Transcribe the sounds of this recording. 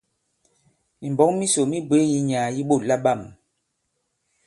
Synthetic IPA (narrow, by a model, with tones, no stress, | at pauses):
mi˨m˨bɔ˨˦ŋmi˦so˨mi˦bwe˨˦ji˦ɲaː˨ji˦ɓo˦˨la˦ɓa˦˨m